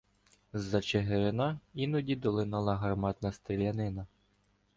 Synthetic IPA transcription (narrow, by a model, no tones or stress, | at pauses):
zɐt͡ʃeɦeɾɪnɑinʊdʲid̪ɔlˠɪnɑlˠɐɦɐrmɑt̪nɐst̪ɾelʲɐnɪnɐ